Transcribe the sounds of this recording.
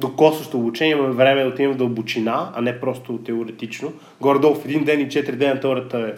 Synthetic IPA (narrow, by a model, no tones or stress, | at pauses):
d̪okɔsəʃt̪oːbut͡ʃɛnjɛimɐmɛvɾɛmɛot̪imɛd̪ɐlˠbʊt͡ʃinaɐ̰nɛpɾɔst̪ʊt̪ɛoɾɛt̪it͡ʃno | ɡɔɾd̪ɔlˠfɛd̪ind̪ɛnit͡ʃɛt̪ɾid̪ɛnɐt̪ɔɾət̪əɛ